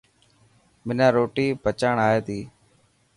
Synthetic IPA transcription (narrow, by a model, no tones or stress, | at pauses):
mɪnãːɾoːʈiːpət͡ʃaːɳaːeːt̪iː